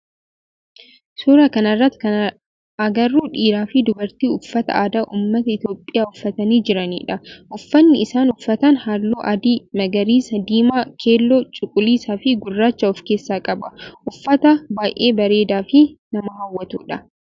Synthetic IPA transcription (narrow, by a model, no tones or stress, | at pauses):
suːɾɐkɐnɐrːɐt̪kɐn | ɐɡɐrːuːᶑiːɾaːfɪd̪ʊbɐɾt̪iːʊfːɐt̪ɐ̰ʔaːd̪aːʔuːmːɐt̪ɐɪt̪jo̞ːpʼːɪjaːʊfːɐt̪ɐniːd͡ʒɪɾɐnḭːᶑɐʔʊfːɐnːɪɪsaːnʊfːɐt̪ɐnhaːloːʔɐd̪iːmɐɡɐɾiːsɐd̪iːmaːkʰe̞ːlːoːt͡ʃʼʊkʼʊliːsaːfɪɡʊrːaːt͡ʃːɐʊfkeːsːaːkʼɐbɐʔʊfːɐt̪ɐbaːjʔeːbɐɾe̞ːd̪aːfɪnɐmɐɦɐwːɐt̪ṵːᶑɐ